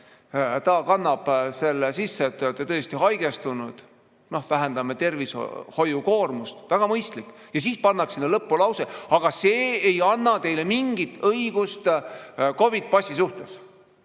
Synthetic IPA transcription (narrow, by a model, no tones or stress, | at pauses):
t̪ɑːkɑnːɑb̥se̞lːesisːet̪ːˑøt̪ːˑet̪ɤest̪iɦɑjɡ̥est̪unud̪̥ | no̞hvæɦɛnd̪̥ɑmet̪e̞rvisho̞juko̞ːrmust̪væɡ̥ɑmɤjst̪likː | jɑs̬iːspɑnːɑksinːelɤpːulɑwseɑɡ̥ɑseːejɑnːɑt̪e̞jle̞miŋɡ̥it̪ːˑɤiɡ̥ust̪ko̞vid̪̥̚pɑsʲisuht̪es